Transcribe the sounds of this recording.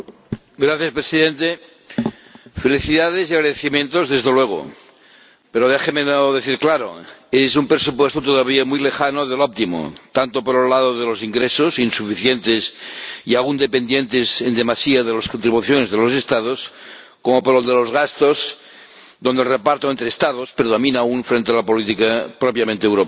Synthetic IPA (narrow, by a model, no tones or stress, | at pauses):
ɡɾaθjaspɾesiðẽnt̪e | feliθiðaðesiaɣɾaðeθimjẽnt̪ozðezðelweɣ̞o̰ | peɾoðexemenoðeθiɾklaɾo̰esumpɾesupwest̪ot̪oðaβ̞iamujlexanoðelop̚t̪imo̰t̪ant̪opoɾelað̞oðelosiŋɡɾesosinsufiθjent̪esiaɣund̪epend̪jent̪esend̪emasiaðelaskont̪ɾiβuθjonezðelosest̪að̞os | komopoɾold̪elozɣast̪oz | ðond̪elrepaɾt̪oent̪ɾest̪aðospɾeðomĩnauɱfɾent̪ealapolit̪ikapɾopjamẽnt̪eːwɾop